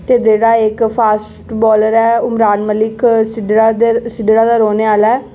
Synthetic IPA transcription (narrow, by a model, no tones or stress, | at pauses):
t̪eːd͡ʒeːɽaːɪkpʰaːs | ʈbɔːləɾɛːʊmɾaːnməlɪksɪasɪɖɽaːd̪aːɾoːneːaːlɛː